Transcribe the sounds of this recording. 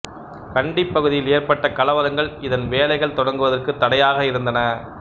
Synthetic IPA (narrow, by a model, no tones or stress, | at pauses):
kɐɳɖɪpːɐɣɯðɪjɪleːrpɐʈːɐkɐlɐʋɐɾɐŋɡɐɭɪðɐnʋeːlɐɪɣɐɭt̪ɔɽɐŋɡɯʋɐðɐrkɯt̪ːɐɽɐjaːɣɐɪɾɯnd̪ɐnɐ